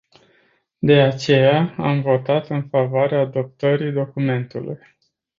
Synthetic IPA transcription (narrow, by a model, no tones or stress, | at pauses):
d̪e̞at͡ʃe̞jaa̰mvo̞t̪at̪ɨnfavoaɾeaːd̪o̞p̚t̪əɾijd̪o̞kume̞nt̪ulṵj